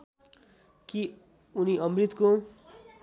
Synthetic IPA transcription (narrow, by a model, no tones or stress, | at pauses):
ki | uniʌmrit̪ko